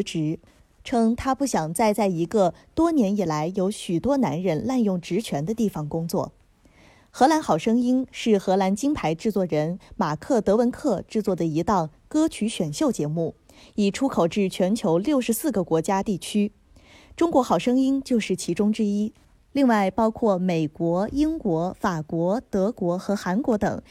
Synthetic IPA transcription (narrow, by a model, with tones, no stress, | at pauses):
ʈ͡ʂɻ̩˧˥ | ʈ͡ʂʰɤ˥ŋt̪ʰa˥pu˥˩ɕjɑ˨˩ŋt͡sa˥˧ɪt͡sa˥˩ɪi˧˥ɡə˧ | t̪wɔ˥njɛ˧˥ni˨˩la˧˥ɪjo˧˥ʊɕy˨˩t̪wɔ˥na˧˥nɻə˧˥nla˥˧njʊ˥˩ŋʈ͡ʂɻ̩˧˥t͡ɕʰɥɛ˧˥nd̪ə˧t̪i˥˩fɑ˨˩ŋkʊ˥ŋt͡swɔ̰˥˩ | xɤ˧˥la˧˥nxɑ˨˩ʊʂɤ˥ŋi˥nʂɻ̩˥˩xɤ˧˥la˧˥nt͡ɕi˥ŋpʰa˧˥ɪʈ͡ʂɻ̩˥˧t͡swɔ˥˩ɻə˧˥nma˨˩kʰɤ˥˩t̪ɤ˧˥wə˧˥nkʰɤ˥˧ʈ͡ʂɻ̩˥˧t͡swɔ˥˩d̪ə˩i˧˥t̪ɑ˥˩ŋkɤ˥t͡ɕʰy˧˥ɕɥɛ˨˩nɕjo˥˩ʊt͡ɕjɛ˧˥mu˥˩ | i˨˩ʈ͡ʂʰu˥kʰo˨˩ʊʈ͡ʂɻ̩˥˩t͡ɕʰɥɛ˧˥nt͡ɕʰjo˧˥ʊljo˥˩ʊʂɻ̩˧˥sɹ̩˥˩ɡə˩kwɔ˧˥t͡ɕja˥t̪i˥˩t͡ɕʰy˥ | ʈ͡ʂʊ˥ŋkwɔ˧˥xɑ˨˩ʊʂɤ˥ŋi˥nt͡ɕjo˥˧ʊʂɻ̩˥˩t͡ɕʰi˧˥ʈ͡ʂʊ˥ŋʈ͡ʂɻ̩˥i˥ | li˥˧ŋwa˥˩ɪpɑ˥ʊkʰwɔ˥˩me˨˩ɪkwɔ˧˥i˥ŋkwɔ˧˥fa˨˩kwɔ˧˥t̪ɤ˧˥kwɔ˧˥xɤ˧˥xa˧˥nkwɔ˧˥t̪ɤ̰˨˩˦ŋ